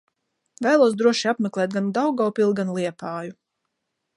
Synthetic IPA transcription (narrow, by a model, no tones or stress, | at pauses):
vɛːlˠuɔsd̪ɾuɔʃiapmʲɛklˠɛːt̪̚ɡand̪awɡawpilˠɡanlˠiɛpaːju